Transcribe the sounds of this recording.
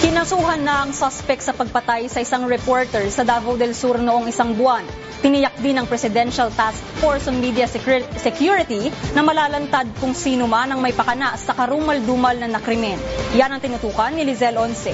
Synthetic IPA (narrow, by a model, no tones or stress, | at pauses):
kɪnɐsuːɦɐnːɐʔɐŋsaspɛk̪̚sɐpɐɡ̚pɐt̪ajsɐʔɪsaŋɹɛpoɹt̪ɛɹsɐd̪avɐwd̪ɛlsuɾnoʔoŋɪsaŋbʊan | t̪ɪnɪjɐk̚d̪ɪnɐŋpɾɛsɪd̪ɛnʃɐlt̪askfoɹsoŋmid̪ijɐsɛkjuɹɪt̪inɐmɐlaːlɐnt̪ad̪̚kʊŋsiːnomanɐŋmɐjpɐkɐnaʔsɐkɐɾuːmɐld̪uːmɐlnɐnɐkɾɪmɛnjanɐŋt̪ɪnʊt̪uːkɐnːɪlɪzɛlʔonsɛ